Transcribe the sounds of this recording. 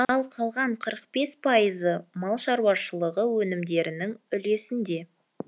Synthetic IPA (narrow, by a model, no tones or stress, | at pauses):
ɑlˠqʰɑlˠʁɑɴqʰəɾəq̚pe̞spʰɑəzəmɑlˠʃɑɾwɑʃəlˠəʁəwɵnɪmd̪e̞ɾɪnɪŋʏle̞sɪnd̪e̞